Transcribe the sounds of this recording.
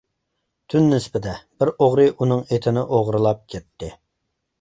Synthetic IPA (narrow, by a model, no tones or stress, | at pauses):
t̪ʰynːɪspɪd̪ɛb̥ɪɾoʁɾɨʔunɨŋet̪ʰɪnɪʔoʁɾɨlˠɑp̚kʲʰɛt̪ːɪ